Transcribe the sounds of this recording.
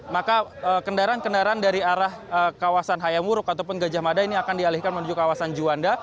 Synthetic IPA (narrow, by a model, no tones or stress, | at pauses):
makaəkəndaɾaankəndaɾaandaɾiaɾahəkawasanɦajamuɾʊkat̪awpʊnɡad͡ʒahmadainiakandialihkanmənuɲd͡ʒʊkːawasand͡ʒuanda